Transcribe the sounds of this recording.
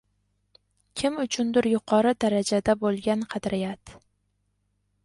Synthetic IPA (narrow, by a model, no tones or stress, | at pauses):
kʲʰɪmʊt͡ʃʰʊnd̪ɪɾjʊqʰɒɾɪd̪aɾad͡ʒad̪abolˠɡʲanqʰɑd̪ɾɪjat̪